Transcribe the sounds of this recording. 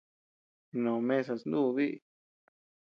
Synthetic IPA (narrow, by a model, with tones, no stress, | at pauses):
nõ˨mẽ˦s̬a˧snd̪u˦˧βi˦ʔḭ˧˨